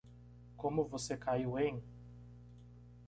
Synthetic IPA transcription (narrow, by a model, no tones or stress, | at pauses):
kõmʊvosekajwẽŋ